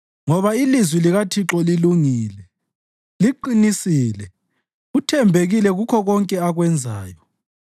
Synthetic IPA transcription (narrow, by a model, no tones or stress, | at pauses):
ŋɔβailizwiliɣatʰiǁɔliluŋiːlɛ | liǃinisiːlɛ | utʰɛmbʱeɣilɛɣukʰɔɣɔŋkʼɛaɣwɛnd͡zʱa̰ːjɔ